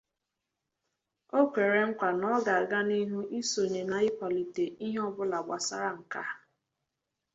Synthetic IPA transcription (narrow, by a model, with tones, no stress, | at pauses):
o˦kʷe˨ɾe˨ŋ̩˦kʷa˨nɔ˦ɡa˨a˨ɡa˦ni˦ɦu˦ʔi˦so˨ɲe˨na˨ɪ˦pʷa˨li˨te˨i˦ɦɔ˦bʊ˦la˨ɡ͡bʷa˨sa˦ɾa˦ŋ̩˨ka̰˦